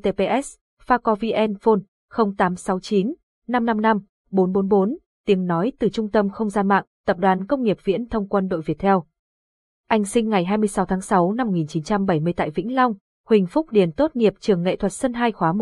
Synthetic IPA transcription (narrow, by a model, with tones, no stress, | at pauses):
t̪e˧pe˧ʔɛ˦˥s | faː˧kɔ˧vi˧ʔɛ˧nfo˧n | xə˧wŋ͡mt̪aː˨˦msa˨˦wt͡ɕi˨˦nː | a˧mna˧mna˧m | ɓo˨˦nɓo˨˦nɓo˨˦n | t̪i˨˦əŋnɔ˨˦jt̪ɨ˨˩t͡ɕʊ˧ŋ͡mt̪ə˧mxə˧wŋ͡mzaː˧nma̰ː˧˨ŋt̪ə˨˩p̚ɗwaː˨˦nkə˧wŋ͡mŋi˨˩əp̚vḭ˧˥ənt̪ʰə˧wŋ͡mkwə˧nɗo̰˧˨jvi˨˩ət̚t̪ʰɛ˧w | ʔa˧jŋ̟sï˧ŋ̟ŋa˨˩jɦaː˧jmɨ˧əjsa˨˦wt̪ʰaː˨˦ŋsa˨˦wna˧mo˩ŋi˨˩nt͡ɕi˨˦nt͡ɕa˧mɓə˧˩jmɨ˧əjt̪a̰ː˧˨jvḭ˧˥ŋ̟la˧wŋ͡m | hwï˨˩ŋ̟fʊ˦˥k͡p̚ɗi˨˧˩ənt̪o˦˥t̚ŋi˨˩əp̚t͡ɕɨ˨˩əŋːḛ˧˨t̪ʰwə˨˩t̚sə˧nɦaː˧jxwaː˨˦m˨˩